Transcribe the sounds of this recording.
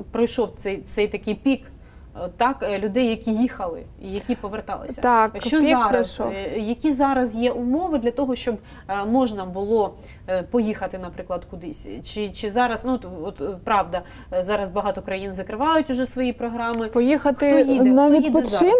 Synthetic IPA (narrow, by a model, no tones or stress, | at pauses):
pɾɔjʃɔwt̪sɛjt̪ɛjt̪ɐkɪjpʲik | ɔt̪ːɑklʲʊd̪ɛjːɐkʲijixɐlˠɪ̰ijɐkʲipɔʋert̪ɑ̰lˠɪ̰sʲɐt̪ɑkt͡ʃɔɑɾɐsʃɔjɐkʲizɑɾɐzjɛʔʊmɔʋɪd̪lʲɐt̪ɔɦɔʃt͡ʃɔb | mɔʒnɐbʊlˠɔ | pɔjixɐt̪ɪnɐpɾɪklˠɐd̪kʊd̪ɪsʲt͡ʃɪt͡ʃɪzɑɾɐznut̪ɔt̪pɾɑʋd̪ɐ | zɑɾɐzbɐɦɑt̪ɔkɾɐjinzɐkɾɪʋɑjʊtʲʊʒɛsʋɔjipɾɔɦɾɑmɪpɔjixɐtxɪɔjid̪naʋʲiid̪pt͡ʃ̪ɪm